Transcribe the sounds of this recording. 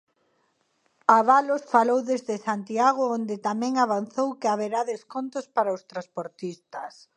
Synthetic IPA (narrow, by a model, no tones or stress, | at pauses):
aβalosfalowðezðɪsant̪iaɣ̞ʊond̪ɪt̪amɛ̃ŋaβan̟θowkɪaβeɾaðeskont̪ʊspaɾaʊst̪ɾaspoɾt̪ist̪as